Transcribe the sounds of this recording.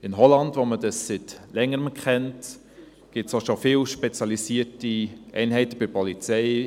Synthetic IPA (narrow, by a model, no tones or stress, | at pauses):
ɪnɦɔlɑndʋomədəssɪtlɛŋːəɾəmkχɛnt | ɡ̥ɪtsoʃofɪːlʃpɛt͡sjɑlisiːətiʔɛ̰ɪnɦɛɪtəb̥ɪɾpɔlit͡sɛɪ